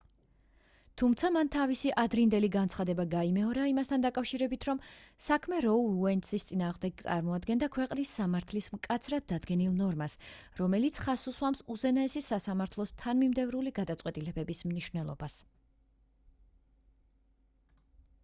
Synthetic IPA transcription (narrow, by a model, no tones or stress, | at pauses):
t̪ʰumt̪sʰamant̪ʰavisiʔad̪ɾind̪ɛliɡant̪sʰχad̪ɛbaɡaimɛɔɾaimast̪ʰand̪akʼafʃiɾɛbit̪ʰɾɔmsakʰmɛɾɔlˠuɛnt̪sist̪sʼinaːʁmd̪ɛɡ̚t̪sʼa̰ɾmɔad̪ɡɛnd̪akʰwɛqʼnisːamaɾt̪ʰlismkʼat̪sʰɾad̪̚ːad̪ɡɛnilˠnɔɾmasɾɔmɛlit̪sʰχasuswamsuzɛnaɛsisasamaɾt̪ʰlˠɔst̪ʰanmimd̪ɛvɾuliɡad̪at̪sʼqʼwɛt̪ʼilɛbɛbismniʃwnɛlˠɔ̰bas